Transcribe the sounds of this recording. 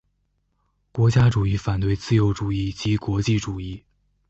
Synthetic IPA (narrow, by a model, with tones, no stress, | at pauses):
kwɔ˧˥t͡ɕja˥ʈ͡ʂu˨˩i˥˩fa˨˩nt̪we˥˩ɪt͡sɹ̩˥˩jo˧˥ʊʈ͡ʂu˨˩i˥˩t͡ɕi˧˥kwɔ˧˥t͡ɕi˥˩ʈ͡ʂu˨˩i˥˩